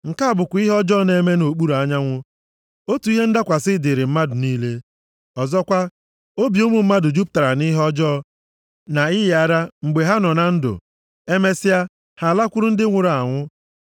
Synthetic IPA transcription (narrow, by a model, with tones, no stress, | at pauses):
ŋ̩˨ka˦˨bʊ˨kʷʊ˨i˦ɦɔ˦d͡ʒɔ˦ne˦me˦no˨k͡pu˦ɾu˨a˦ɲa˦ŋʷʊ˦ | o˦tu˨i˦ɦe˦n̩˦da˦kʷa˨sɪ˦dɪ˨ɾɪ˨m̩˦ma˦dʊ˨niː˦le˦ | ɔ˨zɔ˦kʷa˦ | o˦bi˨o˦mu˨m̩˦ma˦dʊ˨d͡ʒu˦p̚ta˨ɾa˨ni˦ɦɔ˦d͡ʒɔː˦ | na˨ɪ˦je˨a˦ɾa˦ŋ͡m̩˨ɡ͡be˨ɦa˦nɔ˨na˨n̩˦dʊ̰˨ | e˦me˦si˦a˦ | ha˨la˦kʷʊ˦ɾʊ˦n̩˦dɪ˦ŋʷʊ˨ɾa˨ŋʷʊ˦